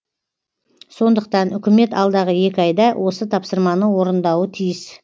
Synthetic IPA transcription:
so̞nd̪əq̚t̪ɑnʏkʲɪme̞t̪ɑlˠd̪ɑʁəje̞kʲɪɑjd̪ɑwʔo̞sət̪ʰɑpsəɾmɑnəwo̞ɾənd̪ɑwət̪ʰijɪs

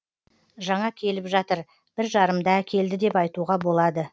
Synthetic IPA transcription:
ʒɑɴɑkʲʰe̞lɪpʒɑt̪əɾ | b̥ɪɾʒɑɾəmd̪ɑækʲʰe̞ld̪ɪd̪e̞pɑjt̪uʁɑbo̞lˠɑd̪ə

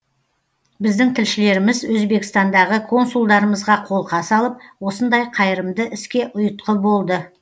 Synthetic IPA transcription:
bɪzd̪ɪŋt̪ʰɪlʃɪle̞ɾɪmɪzwɵzbe̞kst̪ɑnd̪ɑʁəkʰo̞nsulˠd̪ɑɾəməzʁɑqʰo̞lˠqʰɑsɑlˠəp̚wo̞sənd̪ɑjqʰɑjɾəmd̪əʔɪskʲe̞ʔʊjət̪̚qəbo̞lˠd̪ə

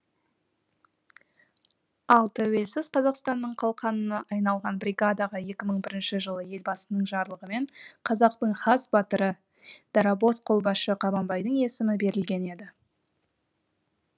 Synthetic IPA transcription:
ɑlˠt̪ʰæwe̞lsɪz̥qʰɑzɑqst̪ɑnːəɴqʰɑlˠqʰɑnənɑʔɑjnɑlˠʁɑnbɾʲiɡad̪ɑʁɑje̞kʲɪməɴbɪɾɪnʃɪʒəlˠəje̞lbɑsənəɴʒɑɾlˠəʁəme̞ɴqʰɑzɑqt̪əɴχɑsbɑt̪əɾə | d̪̥ɑɾabo̞sqʰo̞lˠbɑʃəqʰɑbɑnbɑjd̪əɴe̞sɪmɪbe̞ɾɪlɡʲe̞ne̞d̪ɪ

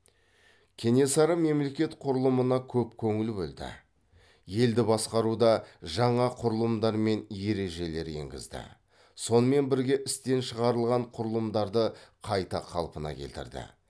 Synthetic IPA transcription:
kʲʰe̞ne̞sɑɾəme̞mle̞kʲe̞t̪qʰʊɾəlˠəmənɑkʲʰɵpkʲʰɵŋɪlbɵld̪ɪ̰ | je̞ld̪ɪbɑsqɑɾud̪ɑʒɑɴɑqʰʊɾəlˠəmd̪ɑɾme̞nje̞ɾe̞ʒe̞le̞ɾje̞̰ŋɡʲɪ̰zd̪ɪ̰ | so̞nəme̞nbɪɾɡʲe̞ʔɪst̪e̞nʃəʁɑɾəlˠʁɑɴqʰʊɾəlˠəmd̪ɑɾd̪əqʰɑjt̪ɑqʰɑ̰lˠpənɑ̰kʲʰe̞lt̪ɪ̰ɾd̪ɪ̰

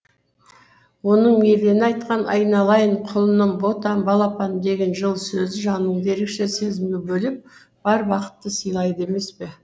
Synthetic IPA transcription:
wo̞nəɴme̞vɾenɪɑjt̪qɑnɑ̰jnɑlˠɑjəɴqʰʊlˠənəɴbo̞t̪ɑmbɑlˠɑpɑnd̪e̞ɡʲe̞nʒəlˠsɵzɪʒɑnːəɴd̪e̞ɾekʃe̞se̞zɪmɡʲebɵlɪp̚ | b̥ɑɾbɑqə̥t̪ːəsəjlˠɑjd̪əe̞me̞spe̞

